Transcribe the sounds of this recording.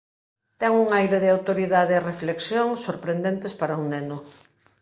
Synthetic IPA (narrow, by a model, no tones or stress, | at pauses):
t̪ɛŋuŋajɾeðɪawt̪oɾiðaðeːrefleksjoŋsoɾpɾend̪ent̪espaɾɐuŋnenʊ